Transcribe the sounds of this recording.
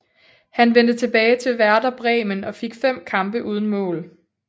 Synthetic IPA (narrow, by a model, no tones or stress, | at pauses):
hænʋen̰d̥ət͡sʰe̝b̥ɛːɪt͡sʰe̝lʋæɐdɐb̥ʁɛːmənɒ̽fe̝ɡ̥fem̰kʰɑ̈mb̥əʔuːð̞ˠən̩mɔ̰̽ːl